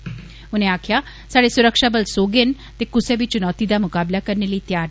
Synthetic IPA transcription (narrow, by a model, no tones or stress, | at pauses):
ʊnẽːaːkʰjaː | saːɽeːsʊɾəkʃaːbəlsoːɡen | t̪eːkʊseːbiːt͡ʃʊnɔːt̪iːd̪aːmʊkaːblaːkəɾneːləiːt̪jaːɾ